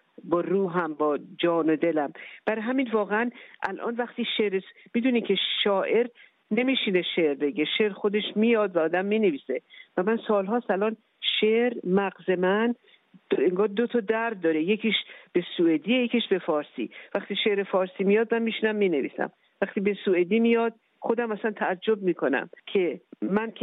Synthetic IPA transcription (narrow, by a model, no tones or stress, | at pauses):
bɒːruːɦæmbɒːd͡ʒɒːnod̪e̞læmb̥æɾɦæmiːnvɒːɣeænʔæ̰lʔɒ̰ːnvæχt̪iːʃeɾesmiːd̪uːniːcʰe̞ʃɒːʔe̞ɾ | ne̞miːʃine̞ʃe̞ɾbe̞ɟe̞ʃeːɾxo̞d̪e̞ʃmiːjɒd̪væɒːd̪æmːiːneviːse̞væmænsɒːlɦɒːsælɒːn | ʃeɾmæɣze̞mæn | eŋɡɒːld̪ot̪ʰɒd̪æɾd̪̚ːɒːɾejecʰiːʃb̥e̞sued̪iːejecʰiʃbe̞fɒːɾsḭːvæxt̪iːʃeɾefɒːɾsiːmijɒːd̪̚mænmiːʃinæmːiːne̞vḭːsæ̰m | væχt̪iːbe̞sued̪iːmijɒd̪̚ | xo̞d̪æmæsænt̪ʰæːd͡ʒːob̚miːkʰo̞næ̰mkʰe̞mænʰ